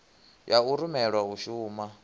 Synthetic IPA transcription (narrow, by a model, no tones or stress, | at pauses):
jauɾumɛɺwaɦuʃuːma